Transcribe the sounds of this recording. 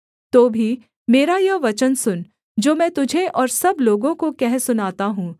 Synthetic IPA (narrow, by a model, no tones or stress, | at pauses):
t̪oːbʱi | meːɾajɐʋɐt͡ʃənsʊn | d͡ʒoːmɛ̃ːt̪ʊd͡ʒʱeʔɔːɾsɐbloːɡõkokɛɦsʊnaːt̪aɦũː